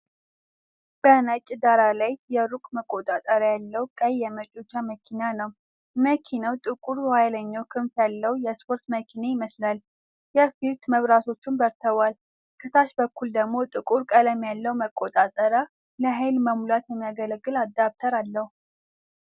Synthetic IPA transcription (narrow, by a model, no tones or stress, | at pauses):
b̥ənat͡ʃʼːd̪aɾalajjɛɾukʼməkʼot̪ʼat̪ʼəɾjalːəwkʼəjːɛmət͡ʃʼut͡ʃːaməkʰinanəw | məkʰinəwt̪ʼɨkʼuɾwajləɲːawkʰɨnfjalːəwjɛspʰo̞ɾt̪məkʰinejɪməslal | jɛfiɾt̪məβɾat̪ʰo̞t͡ʃːunbəɾt̪ʰəβal | kʰɨt̪ʰaʃbəkːuld̪əɡmo̞t̪ʼɨkʼuɾkʼələmjalːəwməkʼːot̪ʼat̪ʼəɾa | ləɦajlməmulat̪jɛmːijaɡələɡːɨlad̪ːaβt̪ʰəɾalːəhu